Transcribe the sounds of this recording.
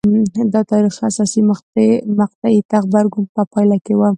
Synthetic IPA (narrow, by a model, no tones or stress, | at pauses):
d̪ət̪ɑɾixasɑsimaxt̪emaq̚t̪ait̪aɣbaɾɡumpəpɑjlakewam